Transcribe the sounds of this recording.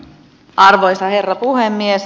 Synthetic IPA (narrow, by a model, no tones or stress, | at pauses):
ʔɑrʋojsɑhe̞rːɑpuhemːies